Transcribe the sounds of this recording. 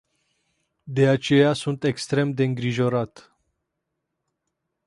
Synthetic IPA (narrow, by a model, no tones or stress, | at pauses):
d̪e̞at͡ʃe̞jasunt̪e̞kst̪ɾe̞md̪e̞ɨŋɡɾiʒo̞ɾat̪